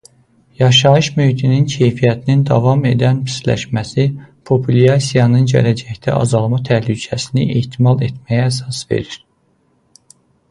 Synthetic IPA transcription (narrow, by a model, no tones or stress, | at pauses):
jɑʃɑɯʃmøhit̪ʰinincʰe̞jfijæt̪ʰinind̪ɑvɑme̞d̪ænpʰi̥slæ̰ʃmæsipʰopʰulɑsijɑnɯnɟæ̰læd͡ʒæçt̪æʔɑ̰zɑlˠmɑt̪ʰæhlycʰæsiniʔeht̪ʰimɑlˠe̞t̪mæjæːs̬ɑsve̞̰ɾiɾ̥